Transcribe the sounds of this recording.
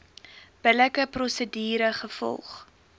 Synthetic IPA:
b̥ələkəprɔsədiːɾəχəfɔ̰lˠχ

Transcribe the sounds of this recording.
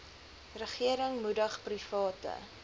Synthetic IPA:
rəχiəɾəŋmudəχprifɑːtə̰

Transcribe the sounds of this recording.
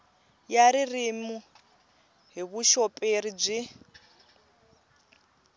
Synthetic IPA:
jaɾirimu | ɦiβuʃopʼeɾib͡ʐi

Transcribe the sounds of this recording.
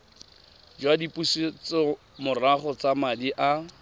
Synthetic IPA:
d͡ʒwadipʼusit͡sɔ | mʊraχɔt͡samadiʔa

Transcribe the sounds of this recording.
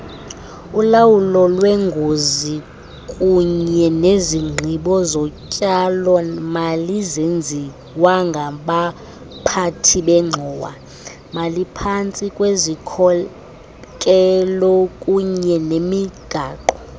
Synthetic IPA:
ulawulɔlwɛŋɡʱozi | kʼuɲɛneziŋ͡ǁʱiɓɔzɔcʼalɔmalizend͡zʱi | waŋɡʱaɓa | pʰatʰiɓɛŋ͡ǁʱɔːwa̰ | malipʰant͡sʼikʼwezikʰɔ | kʼɛlɔkʼuɲɛnemiɡ̥ʱaːǃɔ

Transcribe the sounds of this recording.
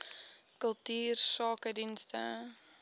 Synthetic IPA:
kəlˠtiːrsɑːkədinstə

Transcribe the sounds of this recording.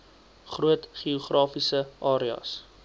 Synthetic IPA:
χruətχiuχrɑːfisəʔɑːɾiɑ̰s

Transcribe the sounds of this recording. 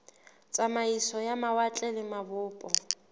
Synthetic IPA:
t͡sʼamaisɔjamawat͡ɬʼɛlɪmabʊːpʼɔ

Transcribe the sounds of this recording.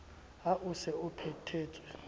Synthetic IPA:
aʔusɛupʰɛtʰeːtʼwɛ

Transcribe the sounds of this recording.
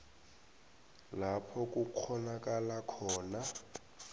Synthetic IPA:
lapʰɔk̬ʼuk͡xʰɔnakʼalakʰɔːna

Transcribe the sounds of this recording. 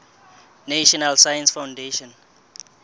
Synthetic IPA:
naʃɔnalsajãnsfãwndeʃɔ̃n

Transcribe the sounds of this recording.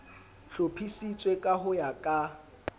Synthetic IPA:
ɬopʰisit͡sʼwekʼaɦʊjakʼa

